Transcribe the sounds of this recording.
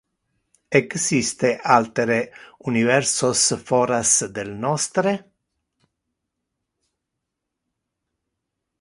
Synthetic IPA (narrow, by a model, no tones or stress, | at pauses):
ɛɡsist̪əʔalt̪əɾeʉnɪvɛɾsɔsfɔɾasd̪ɛlnɔst̪ɾə